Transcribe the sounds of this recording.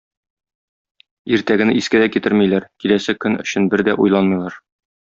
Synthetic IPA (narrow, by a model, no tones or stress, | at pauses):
iɾt̪æɡɘ̆nɘiskæd̪ækit̪ɘɾmijlæɾkilæsækːɵnɵ̰̆ɕɘ̆nbɘɾd̪æʔujlˠɑnmɤjlˠɑɾ